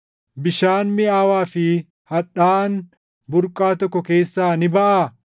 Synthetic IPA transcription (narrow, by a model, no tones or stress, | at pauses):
bɪʃaːnmɪaːwaːfɪ | hɐᶑaːn | bʊɾkʼːaːt̪ɔkːɔke̞ːsːaːnɪbɐʔa